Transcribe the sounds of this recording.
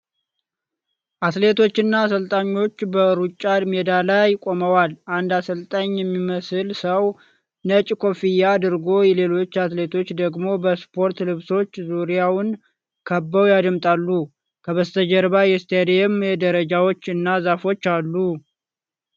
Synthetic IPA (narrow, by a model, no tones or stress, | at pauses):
ʔat̪le̞t̪ʰo̞t͡ʃːɨnːasəlt̪ʼaɲːo̞t͡ʃːbəɾut͡ʃʼːad̪med̪alajkʼo̞məwalʔand̪asəlt̪ʼaɲjɛmːiməsɨlsəw | nət͡ʃʼkʰo̞fijad̪ɨɾɡo̞jɛle̞lo̞t͡ʃːat̪le̞t̪ʰo̞t͡ʃːd̪əɡmo̞bəspʰo̞ɾt̪lɨβso̞t͡ʃːzuɾijawʊn | kʰəbːəwjad̪ɨmt̪ʼalːu | kʰəβəst̪ʰəd͡ʒəɾbajɛst̪ʰejd̪ejɛmjɛd̪əɾəd͡ʒawo̞t͡ʃːɨnːazafo̞t͡ʃːalːu